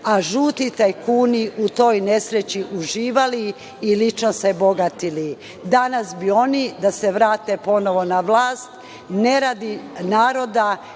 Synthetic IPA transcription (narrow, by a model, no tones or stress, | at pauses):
aʒuːt̪it̪ejkuːniʔut̪o̞jne̞sɾet͡ɕiʔuʒiːʋaliː | lit͡ʃnose̞bo̞ɡat̪ili | d̪anasbio̞nid̪ase̞ʋɾaːt̪e̞po̞no̞ʋo̞naʋlaːst̪ | ne̞ɾaːd̪inaːɾo̞d̪a